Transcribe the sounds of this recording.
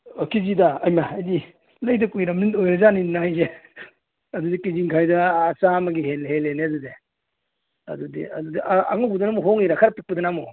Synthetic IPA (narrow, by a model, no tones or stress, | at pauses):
kizidɐɐjmaːjdi | lɐjdɐkujɾɐmnintojɾɐzaninajze | ɐdudikiziŋkʰajdɐːsamɐɡiɦenlɦeleneɐdude | ɐ̰dudḭɐ̰dudiʔaa̰ŋɔpudɐnamuɦoŋiɾakʰaɾapik̚pudɐnamu